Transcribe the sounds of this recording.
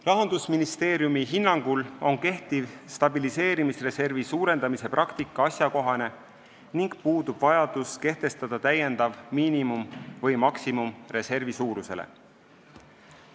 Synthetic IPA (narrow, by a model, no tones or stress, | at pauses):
rɑɦɑnd̪̥usminist̪e̞ːɾjumiɦinːɑŋɡ̥ulo̞nke̞ht̪ivst̪ɑbilise̞ːɾimisre̞se̞rvisuːɾe̞nd̪ɑmise̞prʔɑkt̪ikːˑɑɑsjɑko̞ɦɑne̞ | niŋɡ̥puːd̪̥ub̥vɑjɑd̪̥uske̞ht̪e̞st̪ɑd̪̥ɑt̪æje̞nd̪̥ɑvmiːnimumvɤjmɑksimumre̞se̞rvisuːɾuse̞̰lḛ